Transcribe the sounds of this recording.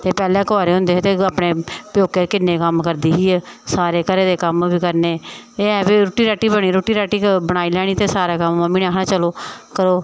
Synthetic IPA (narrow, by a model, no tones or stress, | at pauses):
t̪eːpɛːlẽːkaːɾeːɦʊ̃nd̪eːt̪eːaːpɽeːpjoːkeːɾkɪnːeːkəmkəɾd̪iːɦiːɛːsaːɾeːkəɾeːd̪eːkəmʋiːkəɾneː | eːɛːʋeːɾoːʈiːɾɛːʈiːbəɽ̃iːɾoːʈːiːɾɛːʈiːbəɽ̃aːiːlɛːɽ̃iːt̪eːsaːɾeːkəmːãmiːnaːkʰɽãːt͡ʃəloːkəɾoː